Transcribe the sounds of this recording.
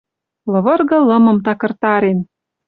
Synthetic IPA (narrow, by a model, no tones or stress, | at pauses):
lɤ̆βɤ̆rɣɤ̆lɤ̆mɤ̆mt̪ɑkɤ̆rt̪ɑɾen